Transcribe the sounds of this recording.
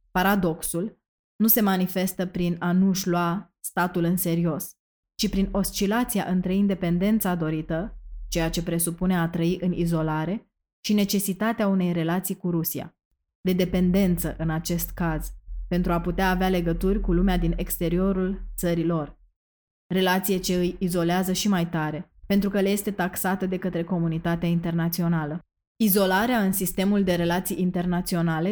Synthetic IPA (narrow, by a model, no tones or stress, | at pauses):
paɾad̪o̞ksul | nuse̞manife̞st̪əpɾinanuʃloa | st̪at̪ulɨnse̞ɾio̞s | t͡ʃipɾino̞st͡ʃilat̪sija̰ʔɨnt̪ɾe̞ind̪e̞pe̞nd̪e̞nt̪sad̪o̞ɾit̪ət͡ʃe̞jat͡ʃe̞pɾe̞supune̞at̪ɾəiʔɨnizo̞laɾe̞ | ʃine̞t͡ʃe̞sit̪at̪eaune̞jre̞lat̪sijkuɾusia̰ | d̪e̞d̪e̞pe̞nd̪e̞nt̪səʔɨnat͡ʃe̞st̪kaz̥pe̞nt̪ɾuaput̪eaːveale̞ɡət̪urʲkulumead̪ine̞kst̪e̞ɾio̞ɾult̪səɾilo̞r | re̞lat̪sije̞t͡ʃe̞ɨjizo̞leazəʃimajt̪aɾe̞pe̞nt̪ɾukəleje̞st̪e̞t̪aksat̪əd̪e̞kət̪ɾe̞ko̞munit̪at̪eaint̪e̞rnat̪sio̞nalə | izo̞laɾeaɨnsist̪e̞muld̪e̞ɾe̞lat̪sijint̪e̞rnat̪sio̞nale̞